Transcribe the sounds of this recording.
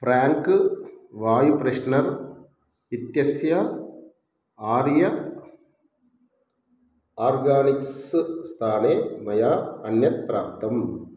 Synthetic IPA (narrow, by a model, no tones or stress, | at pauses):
pɾaːŋkɨʋaːjupɾɐʂnɐɾ | it̪jɐsjɐ | aːɾjɐ | aːɾɡaːniksst̪ʰaːneːmɐjaːɐnjɐt̪̚pɾaːp̚t̪ɐm